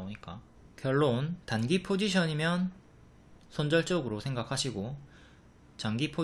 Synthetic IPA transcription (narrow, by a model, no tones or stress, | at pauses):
oɲik͈a | kjʌɭːontanɡipʰod͡ʑiɕʰʌɲimjʌn | sʰʌnd͡ʑʌɭt͡ɕ͈ʌɡɯɾosʰe̞ŋɡakʰaɕʰiɡo | t͡ɕaŋɡipʰo